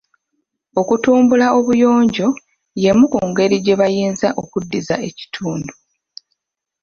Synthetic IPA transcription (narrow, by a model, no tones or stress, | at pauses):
o̞kutuːmbulao̞βujo̞ːɲɟo̞ | je̞mukuːŋɡe̞ɾiɟe̞βajiːnzaʔo̞kudːiza̰e̞ci̥tʰuːndu